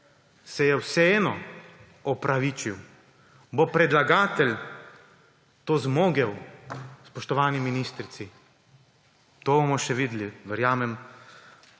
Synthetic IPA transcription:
sɛjɛwsɛeːnɔ | ɔpɾaʋiːt͡ʃiw | bopɾɛd̪laɡaːt̪ɛlʲ | t̪oːzmoːɡɛwspɔʃt̪ɔʋaːniminiːst̪ɾit̪si | t̪oːbomɔʃɛʋiːd̪liʋɛɾjaːmɛm

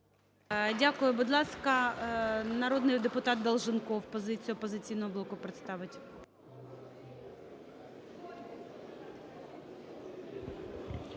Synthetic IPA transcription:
dʲakʊjʊbʊd̪lˠɑskɐ | nɐɾɔd̪nɪjd̪epʊt̪ɑt̪̚d̪ɐlˠʒɪnkɔwpɔzɪt͡sʲijʊpɔzɪt͡sʲijnɔɦɔblˠɔkʊpɾɪt̪st̪ɑʋɪtʲ

